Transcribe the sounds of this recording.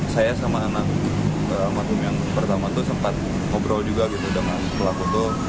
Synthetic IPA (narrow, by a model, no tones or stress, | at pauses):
sajasamaːnak̚ | əmakʊmjaŋpərt̪amat̪ʊsəmpat̪̚ | ŋobɾald͡ʒuɡaɡit̪udəŋanpəlakot̪ʊ